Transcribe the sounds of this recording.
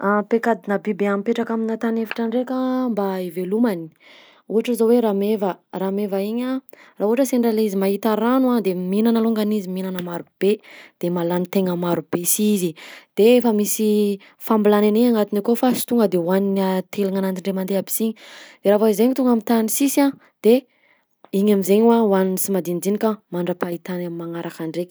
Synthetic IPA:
apekad̪inəbibeamipeʈ͡ʂakaminat̪anefi̥ʈ͡ʂaɳɖ͡ʐekambaivelumani̥ | uɦaʈ͡ʂəzoweɾamevəramevaiɲaraɦuɦaʈ͡ʂəseɳɖ͡ʐalizimaɦit̪aɾanuad̪eminanaloŋɡaniziminanəmaɾub̥ed̪̥emalanit̪eŋəmaɾubesizid̪̥eefəmisi | fambilananeɲaŋat̪inakofasi̥t̪uŋɡəd̪ewannat̪ʰeliŋanant̪iɳɖ͡ʐemand̪eabi̥siɲid̪̥eɾavaizeɲit̪uŋɡamit̪anisisa | d̪̥e | iɲamizeɲwawaninisimad̪ind͡ʒ̪inikʲamaɳɖ͡ʐapait̪anamimaŋaɾʔakaɳɖ͡ʐekʲi̥

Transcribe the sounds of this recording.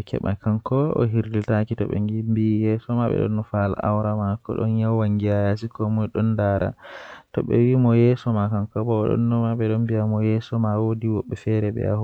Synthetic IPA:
ɛkʰɛ̰ɓa̰kaŋkɔɔ̰ɦiɾditakitɔɓɛ̰ŋɡimbijɛsɔmaɓɛ̰ɗɔ̰nːɔfala̰ʔawɾamakɔ̰ɗɔ̰njawwaŋɡijajas̬ikɔmɔjɗɔndaɾa̰tɔɓɛ̰wimɔjɛsɔmakaŋkɔbɔːɗɔ̰nːɔmaɓɛɗɔnbiamɔjɛsɔmawodiwɔɓːɛfɛɾɛɓɛ̰a̰h

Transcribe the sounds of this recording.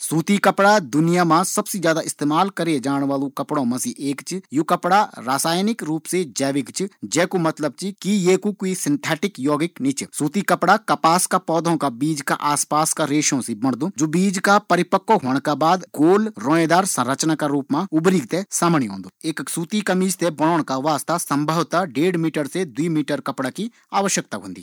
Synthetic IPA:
suːt̪ikəpɽad̪ʊnɪjaːmãsɐbsid͡ʒjaːd̪aːɪst̪eːmaːlkəɾied͡ʒaːɽ̃ʋaːlõːkɐpɽõmɐsiːʔeːkt͡ʃjoːkəpɽaɾaːsaːjnɪkɾuːpsed͡ʒɛːʋɪkt͡ʃd͡ʒɛːkomɐt̪ləb̚t͡ʃikijeːkukoisɪnt̪ʰɛːʈɪkjɔːɡɪknit͡ʃsuːt̪ikəpɽakɐpaːskapɔːd̪ʱõːkabiːd͡ʒka̰ʔaːspaːskaɾeːʃõsibɐɳ̃d̪õːd͡ʒoːbiːd͡ʒkapɐɾɪpəkːoɦoːɳ̃kabaːd̪ɡoːlɾɔːẽːd̪aːɾsɐ̃ɾət͡ʃnakaɾuːpmãʊbɾiːɡt̪esaːmɽ̃iɦõ̰ːnd̪oeːksuːt̪ikɐmiːd͡ʒt̪ebɐɽ̃ɔːɽ̃kaʋaːst̪asɐ̃mbʱəʋt̪aɖeːɽmiːʈəɾsed̪uiːmiːʈəɾkɐpɽaki | aːʋəʃjək̚t̪aɦõ̰nd̪ḭː

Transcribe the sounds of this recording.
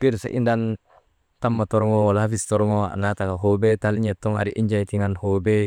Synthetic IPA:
keɾsa̰ʔḭndan | tamːatoɾŋowalafistɔɾŋoa̰natakaɦobetaliɲetːoŋa̰ɾiʔiɲd͡ʒaitiŋanhobe

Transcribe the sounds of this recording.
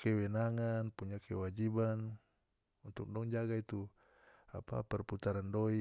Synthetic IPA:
kɛwɛnaŋanpuɲakʰɛ̰wad͡ʒiban | unt̪ʊk̚dɔŋd͡ʒaɡait̪u | apa̰pɛrput̪aɾandɔi

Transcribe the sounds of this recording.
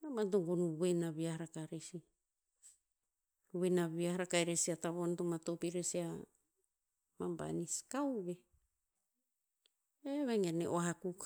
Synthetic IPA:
amantoŋɡonuβenaβiahaɾakaɾesi | wenaβiaɦaɾakajɾesiataβontomatopiɾesia | mamba̰niskawβe | eβeŋenḛʔoaɦakuk

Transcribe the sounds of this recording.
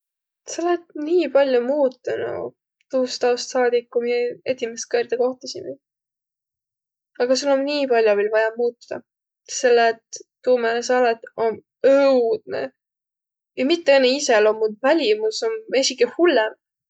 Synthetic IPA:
sɑlet̪niːpɑlʲjumuːt̪ːˑɑnṵ | t̪uːst̪ɑwst̪sɑːd̪ikːumieet̪imest̪̚køːɾd̪eko̞ht̪ɑsime | ɑɡ̥ɑsulːomniːpɑlʲjovelvɑjɑmuːt̪ːˑu̥d̪̥ɑ̰ | se̞lːet̪ː | uːmelesɑːlet̪ˑo̞n | ɤwd̪̥̚nḛ | jɑmit̪ːeenːeiselo̞mːud̪vælʲimusome̞sʲikehulːem

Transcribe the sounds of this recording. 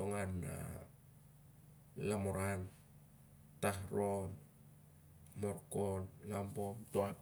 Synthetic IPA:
oŋana̰ | lamoɾan | tahɾo̞n | moɾkonlampomtoa

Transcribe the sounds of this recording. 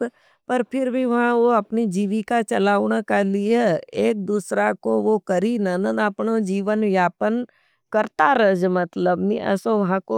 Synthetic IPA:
pɐɾpʰɪɾbʱiʋɐɦãʋoɐpnid͡ʒiːʋikat͡ʃɐlaːʋɳ̃akalieeːk̚d̪uːsɾakoʋokɐɾinənənəpnod͡ʒiːʋənʋjaːpən | kɐɾt̪aɾɐd͡ʒmɐt̪ləbniʔə̰soʋɐɦãko

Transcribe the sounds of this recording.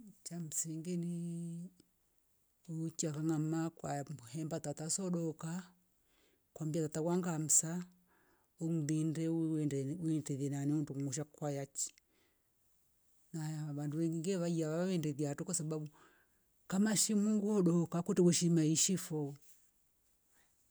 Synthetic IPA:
t͡ʃam̩siŋɡɛni | ut͡ʃiakaŋamakwauhɛmbatatasɔɗɔka | kwambiatatakwaŋɡam̩sa | ɔŋuðindɛ | ɛdɛðɛnaniundumuʃ̬akwajat͡ʃi̥ | naβanduʋɛŋɡiŋɡɛβaiaβaawɛndɛðiatukwasaɓaɓu | kamaʃimuŋɡuɔɗɔkakutɛwuʃimaiʃifɔ

